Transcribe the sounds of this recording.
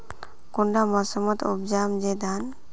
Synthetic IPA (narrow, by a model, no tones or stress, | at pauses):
kuɳɖamasəmɔt̪ṵbd͡ʒamd͡ʒɛd̪an